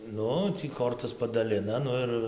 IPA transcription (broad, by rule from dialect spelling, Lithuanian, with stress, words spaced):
ˈnʊ ˈtʲiː ˈkoːrtɐs pɐdɐˈlʲɪnɐ ˈnʊ ɪr ˈɪr